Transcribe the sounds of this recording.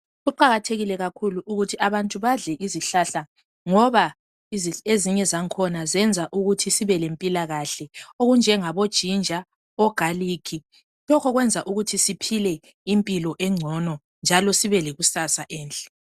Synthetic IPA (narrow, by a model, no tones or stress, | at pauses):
ɣuǃaɣatʰeɣilɛɣakʰuluʔuɣutʰiʔaβantʼuβaɮɛʔiziɬaɬa | ŋɔβa | izieziɲɛzaŋkʰɔnazɛnd͡zʱaʔuɣutʰisiβɛlempʼilaɣaɬɛoɣund͡ʒʱɛŋaβod̥ʒ̥ʱind͡ʒʱa | ɔɡ̥ʱaliːkʰi | lɔkʰɔɣwɛnd͡zʱaʔuɣutʰisipʰilɛ | impʼilɔʔɛŋ͡ǀʱɔnɔ | nd͡ʒʱalɔsiβɛleɣusasaʔɛːnt͡ɬʼɛ̥